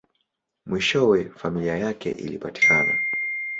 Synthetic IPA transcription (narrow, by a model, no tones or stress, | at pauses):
mwiʃɔwɛfamiliajakɛ̰ʔḭlipati̥kana̰